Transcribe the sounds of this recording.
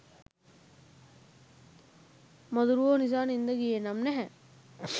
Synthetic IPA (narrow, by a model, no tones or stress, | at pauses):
mod̪uɾuʋoːnizaːnind̪əɡijenamnɛɦɛ